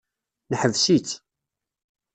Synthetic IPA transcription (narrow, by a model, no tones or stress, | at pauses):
nəħəvsit͡sː